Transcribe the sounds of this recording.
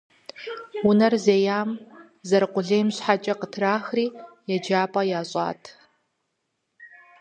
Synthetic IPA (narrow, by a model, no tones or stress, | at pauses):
ʊnɐrzeːjaːm | zɐɾqʷʊɮeːmɕħat͡ʃʼɐqətʰraːxriːjɛd͡ʒaːpʼɐjaːɕʼa̰ːtʰ